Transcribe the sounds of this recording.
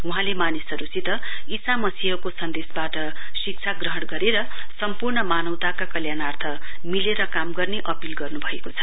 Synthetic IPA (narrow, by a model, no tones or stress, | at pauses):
uɦãlemanisʌɾusʰit̪ʌisamʌsiɦʌkosʌnd̪esbaʈʌsik̚t͡sʰaɡrʌɦʌɽɡʌɾeɾʌsʌmpurɳʌmanʌwt̪akakʌljanart̪ʰʌmileɾʌkamɡʌrneʔʌpilɡʌrnubʱʌekot͡sʰʌ